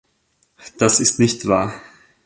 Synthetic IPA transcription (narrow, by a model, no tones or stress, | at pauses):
d̥asɪstnɪçtv̥a̰ːɐ